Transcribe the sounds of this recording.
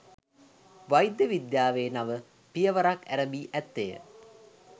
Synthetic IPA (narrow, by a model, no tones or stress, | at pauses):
ʋajd̪jəʋid̪jaːʋeːnaʋə | pijəʋɐɾakæɾəbiːʔæt̪ːejə̰